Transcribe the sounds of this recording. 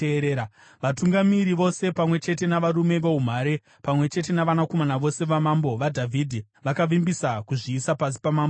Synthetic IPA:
eɾeːa | ʋatuŋɡamiɾiʋo̞se̞pamwe̞t͡ʃe̞t̬e̞naʋaɾume̞ʋeum̤aːɾe̞ | pamwe̞t͡ʃe̞te̞naʋanako̞manaʋo̞se̞ʋamambo̞ʋadʱavʱidʱi | ʋakaʋimbisakuʐiːsapas̬i̥pamaːmbo

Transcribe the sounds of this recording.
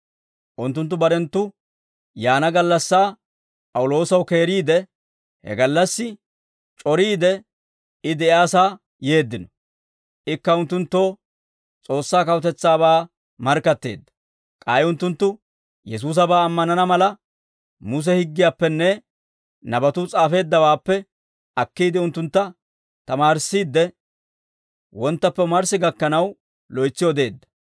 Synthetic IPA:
ʔʊnt̪ːʊnt̪ːʊbɐɾɛnt̪ːʊ | jaːnɐɡɐlːɐsːaː | pʼɐwʊlo̞ːsɐwke̞ːɾiːd̪ɛ | hɛ̰ɡɐlːɐsːɪ | t͡ʃʼɔɾiːd̪ɛ | ɪd̪ɛɪaːsaː | je̞ːd̪ːɪnɔ̥ | ʔɪkːɐʊnt̪ːʊnt̪ːo̞ː | t͡sʼo̞ːsːaːkɐwt̪ɛt͡sːaːβaː | mɐɾkːɐt̪ːe̞̰ːd̪ːɐ̥ | kʼɐjʊnt̪ːʊnt̪ːʊ | jɛs̬uːs̬ɐbaːmːɐnɐnɐmɐlɐ | mʊs̬ɛhɪɡːɪjaːpːɛnːɛ | nɐbɐt̪ʊt͡sʼaːfe̞ːd̪ːɐwaːpːɛ | ɐkːiːd̪ɪʊnt̪ːʊnt̪ːɐ | t̪ɐmaːɾɪsːiːd̪ːɛ | wɔnt̪ːɐpːɛmɐɾsɪɡɐkːɐnɐw | lɔjt͡sːɪjɔd̪e̞ːd̪ːɐ̥

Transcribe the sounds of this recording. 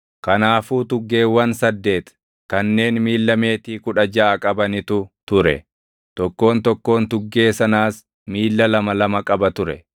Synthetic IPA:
kɐnaːfuːt̪ʊɡːe̞ːwːɐnsɐd̪ːe̞ːt̪ | kɐnːe̞ːnmiːlːɐme̞ːt̪iːkʊᶑɐd͡ʒɐːkʼɐbɐnɪt̪ʊt̪ʊɾɛ̰ | t̪ɔkːo̞ːnt̪ɔkːo̞ːnt̪ʊɡːe̞ːsɐnaːs | miːlːɐlɐmɐlɐmɐkʼɐbɐt̪ʊɾɛ

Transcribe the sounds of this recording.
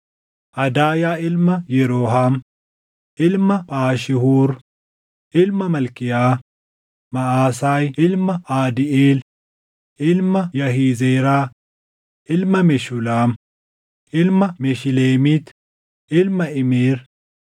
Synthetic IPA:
ʔɐd̪aːjaːɪlmɐjɛɾoːɦaːm | ʔɪlmɐpʼaːʃɪhuːɾ | ʔɪlmɐmɐlkɪjaː | mɐaːsaːjɪlmɐaːd̪ɪʔeːl | ʔɪlmɐjɐhiːzeːɾaː | ʔɪlmɐmɛʃʊlaːm | ʔɪlmɐmɛʃɪleːmiːt̪ | ʔɪlmɐɪmeːɾ

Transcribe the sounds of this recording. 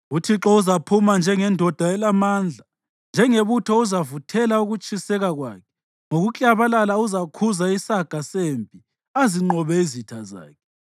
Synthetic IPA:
utʰiǁɔuzapʰumand͡ʒʱɛŋɛndʱɔd̥ʱaɛlamand͡ɮʱa | nd͡ʒʱɛŋeβutʰɔuzavutʰɛlauɣut͡ʃʼisɛɣaɣwa̰ːkʰɛ̥ | ŋoɣut͡ɬʼaβalalauzakʰuzaisaɡ̥ʱasempʼi | aziŋ͡ǃɔβɛizitʰaza̰ːkʰɛ̥

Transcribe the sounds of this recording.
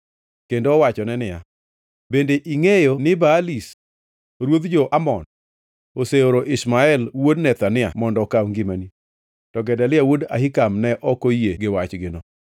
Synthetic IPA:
kendoːwat͡ʃɔnɛnɪja | bendeʔiŋejonɪbaːlis | ɾwod̪d͡ʒoʔamɔn | oseoɾoʔɪsmaɛlwodnɛt̪anɪa̰mɔndɔkawŋɡɪmani | tɔɡɛdalɪawoda̰hɪkamnɛʔɔkojeɡɪwat͡ʃɡɪnɔ

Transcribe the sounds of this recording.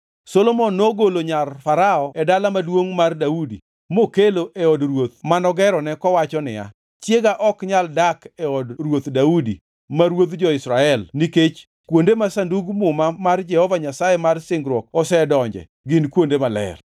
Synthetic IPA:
solomɔnːoɡoloɲarfaɾaɔɛdalamadwoŋmardaudḭ | mokeloʔɛɔdrwot̪̚manɔɡɛɾɔnɛkɔwat͡ʃɔnɪja̰ | t͡ʃjeɡaʔɔkɲaldakɛɔdrwot̪daudḭ | maɾwot̪d͡ʒɔɪsɾaɛlniket͡ʃ | kwondemasanduɡmʊmamard͡ʒɛhɔvaɲasajɛmarsɪŋɡɾwɔk̚ɔsɛdɔɲd͡ʒɛ̰ | ɡɪnkwondemalɛ̰l

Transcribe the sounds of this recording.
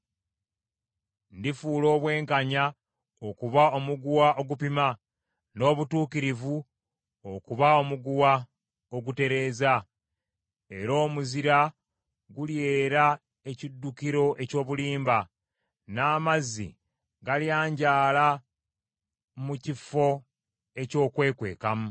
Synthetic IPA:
ndifuːlo̞ːβwe̞ːŋkaɲa | o̞kuβao̞muɡuwaʔo̞ɡupima | no̞ːβutuːkiɾivu | o̞kuβao̞muɡuwa | o̞ɡute̞ɾe̞ːza | e̞ɾo̞ːmuziɾa | ɡulje̞ːɾa | e̞cidːukiɾo̞ʔe̞co̞ːβuliːmba | naːmazḭ | ɡaljaːɲɟaːla | mucifo̞ | e̞co̞ːkwe̞ːkwe̞̰ːkamu

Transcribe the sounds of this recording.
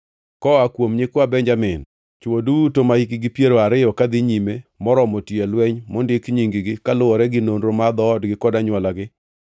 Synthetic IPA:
kɔakwomɲɪkwabɛɲd͡ʒamɪn | t͡ʃwodutomaikɪɡɪpjeɾoaɾɪjɔkad̪ɪɲimemɔɾɔmotielwɛɲmɔndɪkɲiŋɡɪɡɪkalʊwɔɾɛɡɪnonɾomad̪ɔːdɡɪkɔdaɲwɔlaɡɪ

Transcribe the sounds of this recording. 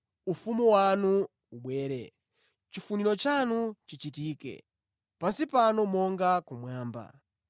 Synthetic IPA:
ufumuwanu | uɓwɛːɾɛ | t͡ʃifuniɾɔt͡ʃanut͡ʃit͡ʃitiːkɛ̰ | pasipanɔmɔŋɡakumwaːmba̰

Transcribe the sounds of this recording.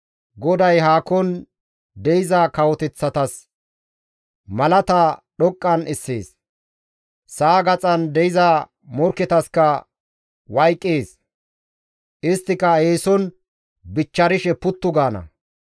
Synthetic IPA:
ɡɔd̪ɐjɦaːkɔn | d̪ɛɪzakɐwɔt̪ɛt͡sːɐt̪ɐs | mɐlɐt̪ɐɗɔkʼːɐnɪsːḛːs | saːɡɐt͡sʼɐnd̪ɛɪza | mɔɾkːɛt̪ɐskɐ | wɐjkʼːeːs | ʔɪst̪ːɪkɐheːsɔn | bɪt͡ʃːɐɾɪʃɛpʊt̪ːʊɡaːnɐ̰

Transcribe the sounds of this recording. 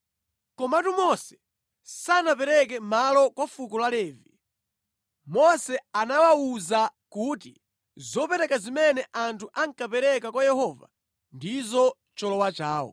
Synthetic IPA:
kɔmatumɔsɛ̥ | sanapɛɾɛkɛmalɔkwafukulalɛːvi | mɔsɛanawauzakuːtḭ | zɔpɛɾɛkazimɛnɛʔantʰuʔaŋkapɛɾɛkakwajɛɦɔva̰ | ndizɔ | t͡ʃɔlɔwat͡ʃaːwɔ̰

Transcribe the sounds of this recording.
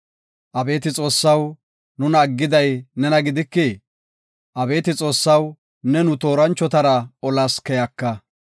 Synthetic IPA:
ʔɐbe̞ːt̪ɪt͡sʼo̞ːsːɐw | nʊnɐːɡːɪd̪ɐjnɛnɐɡɪd̪ɪkːe | ʔɐbe̞ːt̪ɪt͡sʼo̞ːsːɐw | nɛnʊt̪o̞ːɾɐnt͡ʃːɔt̪ɐɾɐɔlaːskɛjɐkːɐ

